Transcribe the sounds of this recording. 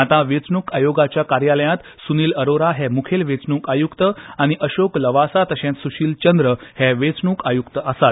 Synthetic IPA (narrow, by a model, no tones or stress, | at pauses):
at̪ãʋet͡sɳuːkajoɡat͡ɕjakaɾjaləjãt̪ | suniːləɾoɾaɦɛmukʰelʋet͡sɳuːkajukt̪əaɽ̃iʔəɕokləʋasat̪əɕẽnt̪suɕiːlt͡ɕənd̪ɾəhɛʋet͡sɳuːkajukt̪əʔəsat̪̚